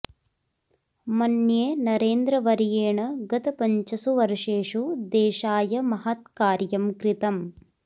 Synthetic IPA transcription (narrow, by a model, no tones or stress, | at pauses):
mɐnjeːnɐɾeːnd̪ɾɐʋɐɾjeːɳɐɡɐt̪ɐpɐɲt͡ʃɐsuʋɐɾʂeːʂud̪eːʃaːjɐmɐɦɐt̪̚kaːɾjɐmkɾit̪ɐm